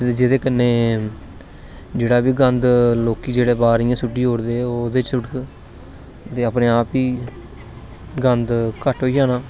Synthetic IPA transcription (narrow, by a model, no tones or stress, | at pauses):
ed͡ʒɪd̪eːkənːeː | d͡ʒeːɽaːbiːɡənd̪loːkiːd͡ʒeːɽeːbaːɾɪjãːsʊʈːiːɦoːɾd̪eːoːd̪eːt͡ʃsʊʈ | t̪eːəpneːaːpiː | ɡənd̪kəʈɦoːiːjaːnaː